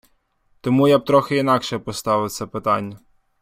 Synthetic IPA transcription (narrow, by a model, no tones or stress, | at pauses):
t̪ɔmujab̚t̪ɾɔxɪinɑkʃɛpɔst̪ɑʋɪwt̪sʲɐpɪt̪ɑnʲːɐ